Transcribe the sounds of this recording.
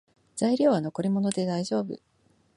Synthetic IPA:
z̥aiɾʲo̞ːβano̞ko̞ɾʲimo̞no̞d̪e̞d̪aiʑo̞ːbɯ̟

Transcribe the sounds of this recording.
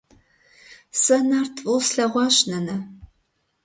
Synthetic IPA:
sɐnaːrtʰvulsɬɐʁʷɑːɕnɐnɐ

